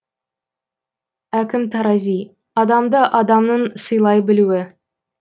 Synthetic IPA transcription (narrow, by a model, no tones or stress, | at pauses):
ækʲɪmt̪ʰɑɾɑzij | ɑd̪ɑmd̪əʔɑd̪ɑmnəɴsəjlˠɑjbɪluwɪ